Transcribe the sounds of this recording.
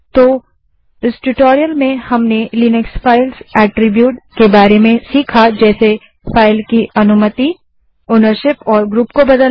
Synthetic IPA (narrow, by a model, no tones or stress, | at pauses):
t̪o | ɪsʈuʈɔːɾijəlmẽhɐmneliːnɪksfaːɪlsɛːʈɾɪbjuːʈkebaːɾemẽsiːkʰad͡ʒɛːse | faːɪlkiɐnʊmət̪i | oːnəɾʃɪpɔːɾɡɾuːpkobɐd̪ə